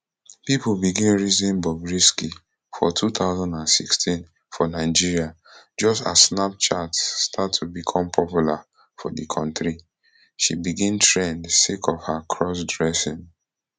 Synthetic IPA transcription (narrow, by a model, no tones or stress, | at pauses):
pipbiɡĩnɹizĩnbɔbɹiski | fɔtʰut̪aʊzãndãnsikstʰĩn | fɔnaɪd͡ʒiɹia | d͡ʒɔsta̰snap̚t͡ʃatːtʰatʰːubikʰɔ̃mpʰɔpjula | fɔdəkʰɔ̃ntɹi | ʃḭbiɡĩntʰɹẽndsekʰɔvhakʰɹɔs̬dɹɛsĩn